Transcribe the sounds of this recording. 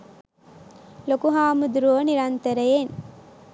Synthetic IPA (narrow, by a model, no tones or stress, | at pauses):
lokuɦaːmud̪uɾoːniɾɐnt̪ɐɾɐjen